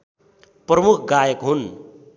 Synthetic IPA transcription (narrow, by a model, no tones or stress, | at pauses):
prʌmukʰɡajəkɦun